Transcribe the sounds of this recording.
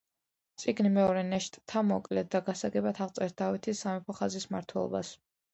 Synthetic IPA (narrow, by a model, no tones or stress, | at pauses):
t̪sʼiɡnimɛɔɾɛnɛʃt̪ʼt̪ʰamɔkʼlɛt̪̚d̪aɡasaɡɛbat̪ʰaʁt̪sʼɛɾt̪̚d̪avit̪ʰisːamɛpʰɔχazisma̰ɾt̪ʰwɛlˠɔ̰ba̰s